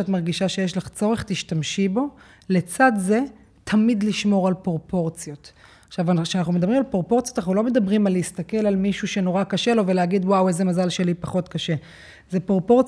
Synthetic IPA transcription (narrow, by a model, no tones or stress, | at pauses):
atmaʁɡiʃaʃe̞jeʃlaχt͡so̞ʁeχtiʃtamʃibo̞ | le̞t͡sadze̞ | tʰamidliʃmo̞ʁalpʁopo̞ʁt͡sjo̞t̪ | aχʃavʃeanaχnumedabʁimalpʁopo̞ʁt͡sijotanaχnulo̞me̞d̪abʁimalist̪ake̞lalmiʃuʃe̞no̞ʁakaʃe̞lo̞veleaɡidwaweze̞mazalʃe̞lipaχo̞tkaʃe̞ | zepʁopo̞t͡s